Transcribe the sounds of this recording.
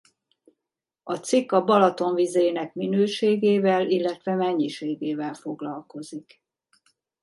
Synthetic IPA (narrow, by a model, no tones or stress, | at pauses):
ɒt̪sikːɒbɒlɒt̪o̞ɱvizeːnɛkminøːʃeːɡeːvɛlilːɛt̪ʋɛmɛɲːiʃeːɡeːvɛlfo̞ɡlɒlko̞zik